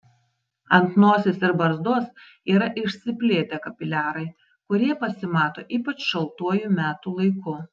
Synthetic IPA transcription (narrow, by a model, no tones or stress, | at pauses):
ɐnt̪noːsʲesɪɾbɐɾzd̪oːs | iːɾɐʔɪʃʲsʲɪpʲlʲeːt̪ʲɛkɐpʲɪlʲæːɾɐɪ | kʊɾʲiɛpɐsʲɪmɑːt̪oːʔiːpɐt͡ʃʃɐlˠt̪uɔjuːˑmʲæːt̪uːlˠɐɪkʊ